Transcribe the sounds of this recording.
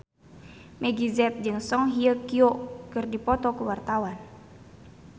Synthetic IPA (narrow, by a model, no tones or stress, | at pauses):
mʔɛɡizɛt̪̚d͡ʒɨŋsɔŋɦiəkiokɨrdipɔt̪ɔkuwart̪awan